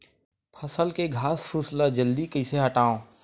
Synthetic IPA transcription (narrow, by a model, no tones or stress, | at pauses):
pʰɐsəlkeɡʱaːspʰʊslad͡ʒəld̪ikəɪseɦəʈaːõː